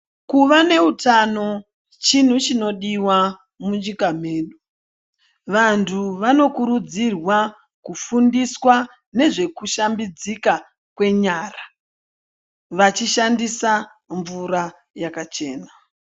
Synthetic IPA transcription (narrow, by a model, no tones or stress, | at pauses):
kuʋane̞utano̞ | t͡ʃin̤ut͡ʃino̞ɗiwa | muɲd͡ʒikam̤e̞ːɗu | ʋantʰuʋano̞kuɾud͡zirwa | kufundiswa | ne̞ʐe̞kuʃambid͡zika | kwe̞ɲaːra | ʋat͡ʃiʃandisa | ɱvuɾa | jakat͡ʃe̞ːna